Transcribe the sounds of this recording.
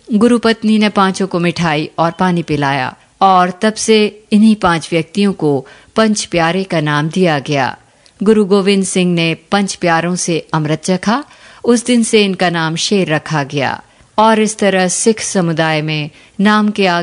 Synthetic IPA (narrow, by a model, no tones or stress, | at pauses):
ɡʊɾupɐt̪ninepãːt͡ʃõkomɪʈʰaːiɔːɾpaːnipɪlaːja̰ː | ɔːɾt̪ɐbseɪnɦipãːt͡ʃʋjɐk̚t̪ijõkopɐ̃ɲt͡ʃpjaːɾekanaːmd̪ijaɡɐja̰ː | ɡʊɾuɡoːʋɪ̃nd̪sɪ̃ŋɡnepɐ̃ɲt͡ʃpjaːɾõseɐmɾət̪ɾɐkʰa | ʊsd̪ɪnseɪnkanaːmʃeːɾːɐkʰaɡɐja̰ː | ɔːɾɪst̪ɐɾəɦsɪkʰsɐmʊd̪aːjmẽ | naːmkea